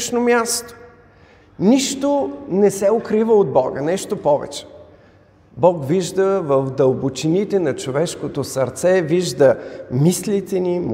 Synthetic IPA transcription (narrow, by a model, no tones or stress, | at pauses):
ʃnomʲjast̪o̥ | niʃt̪onɛsɛokɾivəod̪̚bɔɡə̰nɛʃt̪opɔvɛ̰t͡ʃɛ̥ | bɔkviʒd̪əvəfd̪əlˠbot͡ʃinit̪ɛnɐt͡ʃovɛʃkot̪osɐɾt̪sɛviʒd̪əmislit̪ɛnim